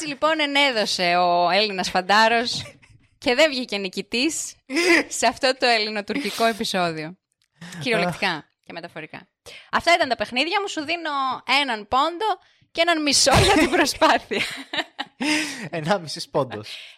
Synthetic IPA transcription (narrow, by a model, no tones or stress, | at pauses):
et͡silipo̞nene̞ðo̞se̞oe̞linɐsfɐnd̪ɐɾo̞s | ce̞ðe̞ɱvʝice̞nicit̪isː | eɐft̪o̞t̪o̞e̞lino̞t̪uɾciko̞e̞piso̞ðio̞ | ciɾio̞lektt̪ikɐ | ce̞me̞t̪ɐfo̞ɾikɐ̰ | ɐft̪ɐit̪ɐnt̪ɐpe̞xniðʝɐmusuðino̞e̞nɐnpo̞nd̪o̞ | cee̞nɐnmiso̞lɐt̪ibɾo̞spɐθiɐ | enɐmisispond̪os